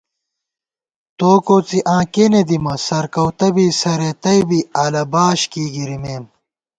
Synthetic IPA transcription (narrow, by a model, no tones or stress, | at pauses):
t̪oːkoːt͡siʔãːkened̪imɐsɐɾkɐwt̪ɐbiːsɐɾet̪ɐjbiaːlɐbaːɕkiːɡiɾimeːm